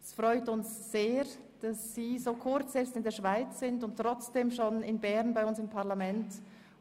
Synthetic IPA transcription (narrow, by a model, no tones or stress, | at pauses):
ɛsfʁɔʏtʊnsz̥eː | d̥asːiːzoːkʰʊɾt͡sɛstɪndeːɐʃv̥aɪt͡ssɪndʊntʁɔt͡sd̥eːmʃoːnɪnbɛʁnbaɪʊnsɪmpʰaʁlamɛnt